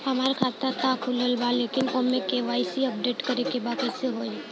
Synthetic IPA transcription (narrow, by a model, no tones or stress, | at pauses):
hɐmaːɾekʰaːt̪at̪akʰuləlbaːlekɪnoːmẽkeʋaːisiəp̚ɖeːʈkɐɾekebaːkəseɦoː